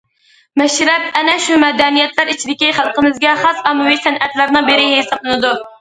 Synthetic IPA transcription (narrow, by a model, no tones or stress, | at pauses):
mɛʃɾɛp̚ɛnɛʃumɛd̪ɛnijɛt̪læɾit͡ʃʰid̪ɪkʲiχælˠqəmɨzɡʲɛχɑsɑmɨwisɛnʔɛt̪læɾnɨŋbeɾɪɦesɑplˠɨnɨd̪u